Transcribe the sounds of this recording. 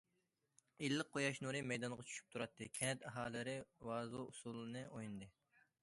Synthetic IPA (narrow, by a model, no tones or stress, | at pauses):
ilːɨq̚qʰːojɑʃnuɾɨmɛjd̪ɑnʁɑt͡ʃʰy̥ʃy̥p̚t̪ʰuɾɑt̪ʰːɨkʲʰɛnɛt̪ɛɦɑːlˠɨɾɪwɑːzuusulˠɨnɨʔojnɨd̪ɨ